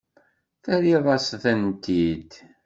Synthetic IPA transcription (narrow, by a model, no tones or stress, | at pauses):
θæɾiðˤɑsθænt̪id̪